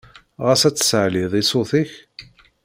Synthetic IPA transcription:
ʁasæt͡sːə̥səʕliðˤisoθiç

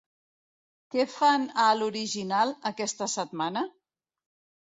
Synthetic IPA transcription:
kɛfanəluɾiʒinalˠəkɛst̪əsət̪̚manə

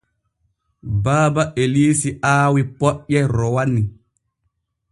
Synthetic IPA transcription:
baːbaʔeliːsiaːwipɔɓɛɾɔwanːi

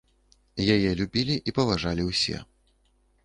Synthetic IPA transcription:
jajɛlʲubʲilʲiʔipɐvaʐalʲiwsʲɛ̰

